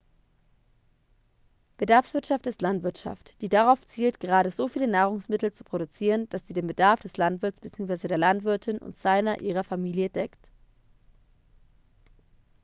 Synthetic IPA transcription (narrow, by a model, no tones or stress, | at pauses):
b̥ədaɐfsv̥ɪɐtʃaftɪstlantv̥ɪɐtʃa̰ftd̥iːdaʁaʊft͡siːltɡ̥əʁaːɾəzoːfiːlənaːʁ̞ʊŋsmɪtl̩t͡su̥pʁ̥oɾut͡siːʁənd̥asz̥iːdeːnbədaɐfd̥ɛslantv̥ɪɐt͡sb̥t͡siːʊŋsv̥aɪzədeːɐlantv̥ɪɐtʰɪnʊ̰ntz̥aɪnɐʔiːʁɐfamiːljədɛkt